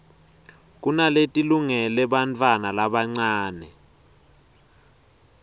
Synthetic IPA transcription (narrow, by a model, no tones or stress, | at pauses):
k̬ʼunaletʼiluŋɛlɛɓant͡fʰʼwanalaɓaŋ͡ǀaːnɛ